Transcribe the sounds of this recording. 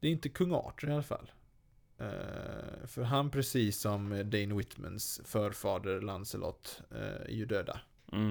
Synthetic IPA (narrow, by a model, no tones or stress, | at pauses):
d̪̥ɛæɾɪnt̪əkʰɵŋːɑ̰ːʈɾɪalafa̰lː | fœɾɦanpʰɾɛsiːsːɔmd̪ɛɪnwɪt̪mə̰nsfœːɾfɑːd̪əɾlansəlʔɔ̰t̪ːæ̰ɾjʉd̪øːd̪a̰